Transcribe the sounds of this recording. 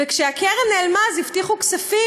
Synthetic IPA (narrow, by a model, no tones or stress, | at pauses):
ekʃeakeʁenelmazift̪iχuksafi